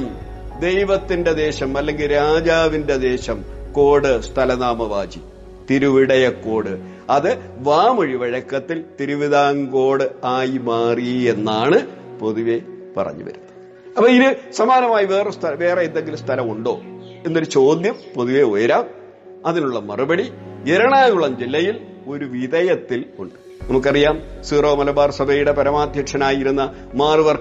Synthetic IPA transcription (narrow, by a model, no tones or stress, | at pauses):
m | d̪e̞jʋɐt̪ːinde̞d̪e̞ːɕɐmɐlːe̞ŋɡilɾaːd͡ʑaːʋinde̞d̪e̞ːɕɐmko̞ːɽɨst̪ʰɐlɐnaːmɐʋaːd͡ʑi | t̪iɾuʋiɽɐjɐkːo̞ːɽɨ | ɐðɨ | ʋaːmɐɻiʋɐɻɐkːɐt̪ːilt̪iɾuʋiðaːŋɡo̞ːɽɨaːjmaːrie̞nːaːɳɨ | po̞ðuʋe̞pɐ̰rɐ̰ɲːṵʋɐ̰ɾunːɐ | ɐpːɐːiðɨsɐmaːnɐmaːjiʋe̞ːrest̪ʰɐlɐʋe̞ːreend̪eŋɡilumst̪ʰɐlɐmuɳɖo̞ː | e̞nːo̞ɾut͡ɕo̞ːd̪jɐmpoðuʋe̞ojɐɾaːm | ɐðinuɭːɐmɐ̰rubɐɽieɾɐɳaːɣuɭɐmd͡ʑilːɐjil | o̞ɾuʋiðɐjɐt̪ːiluɳɖɨ̥ | nɐmuk̬ːɐrijaːmsiːroːmɐlɐbaːrsɐbʱɐjuɽe̞pɐɾɐmaːd̪ʱjɐʈʂɐnaːjiɾunːɐ | maːrɨʋɐrk